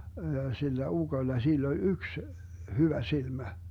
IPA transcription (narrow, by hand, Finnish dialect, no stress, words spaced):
jɑ silːæ uɡ̊oĭlːɑ silː olʲ yks hyʋæ silmæ